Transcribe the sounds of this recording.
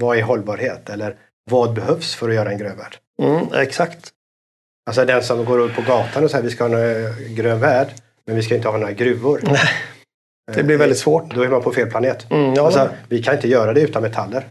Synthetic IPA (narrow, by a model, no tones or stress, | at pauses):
vɑɪɾɦɔlːbɑːɾheːt̪ɛlːəɾ | vɑːd̪̚bɛhœvsfœɾɔjœːɾaɛnɡɾøːnvæ̰ːɖ̥̩ | ɛ̰ksakt̪ | als̬ɔd̪ɛnsɔmɡoːɾɵpʰːɔɡɑːt̪ʰanɔsɛjːɾvɪskahɑːnoɾaɡɾøːnvæːɖ | mɛnvɪskaɪnt̪əhɑːnoːɾaɡɾʉ̟ːʊɾnɛ | d̪ɛblɪɾvɛld̪ɪt̪svoːʈd̪ɔɛːɾmanpʰɔfeːlpʰlaneːt̪alsɔvɪkʰanɪnt̪əjœːɾad̪ɛʉ̟ːt̪anmɛt̪ʰalːəɾ